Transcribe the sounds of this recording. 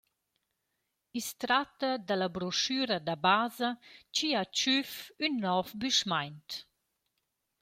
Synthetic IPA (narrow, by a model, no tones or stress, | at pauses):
ist̪ɾatad̪alabɾɔʃyːɾɐd̪abaːzat͡ʃiat͡ʃyfynːɔfbyʃmajnt